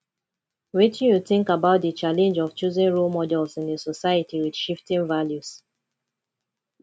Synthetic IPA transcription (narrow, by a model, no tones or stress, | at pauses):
wit͡ʃjuθɪ̃ŋkabaʊt̚dət͡ʃalɛ̃nd͡ʒɔft͡ʃuzĩnɹulmɔdɛlˠsĩnðəsɔsaɪətiwidʃiftĩnvaljus